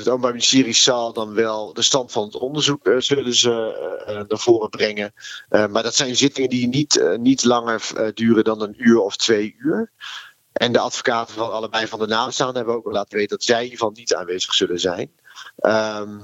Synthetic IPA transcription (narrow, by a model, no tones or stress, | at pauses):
ətoːpəmbaministɪːrissɑlˠdɑnʋɛlˠdəstɑntfɑnətɔndəɹzukzɵlənzə | naːɹv̥oːrəbrɛŋəmaːɹdɑtsɛjnzɪtɪŋəndinitnitlɑŋəɹdyːrədɑnənyːɹɔftʋejyːəɹ | ʔɛndəɑtfo̥kaːtəvɔlɑlˠəbɛjvɑndənaːbəstaːndəɦɛbəowk̚ʋɛlˠaːtənʋejtədɔɑtsɛjiːɹvɑlˠnita̰ːnʋejz̥əχsɵlənzɛjn | əm